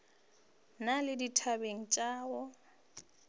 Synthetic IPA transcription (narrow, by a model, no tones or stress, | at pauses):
nalɪditʰabeŋ̩t͡ʃʼaːɣɔ